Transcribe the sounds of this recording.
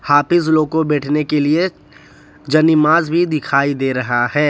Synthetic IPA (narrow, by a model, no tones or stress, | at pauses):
haːpɪzloːkobɛːʈʰnekelie | d͡ʒɐnɪmaːzbʱid̪ɪkʰaːid̪eːɾɐɦaɦɛː